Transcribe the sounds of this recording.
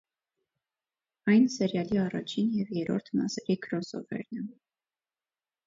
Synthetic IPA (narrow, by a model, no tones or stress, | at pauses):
ɑjnsɛɾjɑliɑrɑt͡ʃʰinjɛvjɛɾɔɾt̪ʰmɑ̰sɛɾikʰɾɔsɔ̰vɛ̰ɾnɛ